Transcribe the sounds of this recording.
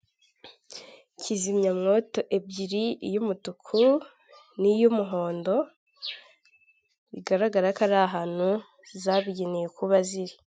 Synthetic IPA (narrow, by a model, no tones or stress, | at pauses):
cizimɲamŋo̞to̞ʔebɟiɾijumutukʰu | nijumuɦo̞ːndo̞ | iɡaɾaɡaɾakaɾaɦaːn̥hu | zaβiɟenejekuβaziɾi